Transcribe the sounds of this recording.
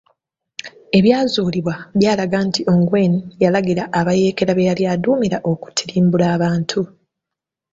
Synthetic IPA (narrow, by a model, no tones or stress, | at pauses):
e̞βjaːzuːliβwaβjaːlaɡantiʔo̞ːŋɡwe̞ːnijalaɡiɾaʔːβaje̞ːke̞ɾaβejaljaːduːmiɾaʔo̞ku̥tʰiɾiːmbulaːβaːntʰu